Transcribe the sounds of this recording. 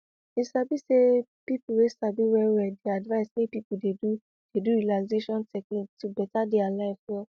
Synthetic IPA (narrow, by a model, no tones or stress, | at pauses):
isabisepipuɾesabiwɛɾɛdeadvaisnĩpipudedu | d̥edũɾilalizeʃɔ̃ntɛklĩtubɛtadealaifɔ